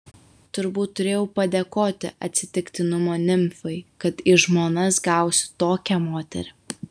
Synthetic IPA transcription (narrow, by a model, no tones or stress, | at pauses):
t̪ʊɾbuːt̪ːʊɾʲeːjɛʊpɐd̪ʲeːkoːt̪ʲɪ̰ʔɐt̪ʲsʲɪt̪ʲɪkt̪ʲɪnʊmoːnʲɪmʲfʲɐɪkɐt̪ɪʒmoːnɐsɡɑˑʊsʲɪ̥t̪oːkʲɛmoːt̪ʲɛ̰ɾʲɪ